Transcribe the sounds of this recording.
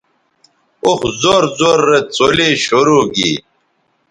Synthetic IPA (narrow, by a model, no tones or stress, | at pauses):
uxzoːɾzoːɾːet͡soleːɕoɾoːɡḭ